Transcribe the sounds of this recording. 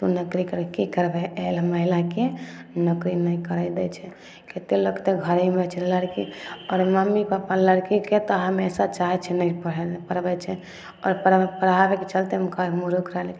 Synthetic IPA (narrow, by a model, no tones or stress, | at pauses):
t̪unəkɾikəɾkikəɾbɛːlməɦilakenəkɾinəikəɾad̪ɛt͡ʃʰɛ | ket̪eləkt̪eɡʱəɾimet͡ʃʰɛləɽkiɔːɾməmːipapaləɽkiket̪ɔɦəmesat͡ʃaɦɛt͡ʃʰɛnəpəɽ̤ɛpəɾbɛt͡ʃʰɛ | ɔ̰ːɾpəɽpəɽ̤abeket͡ʃəlt̪emkəmuɾukɾəlk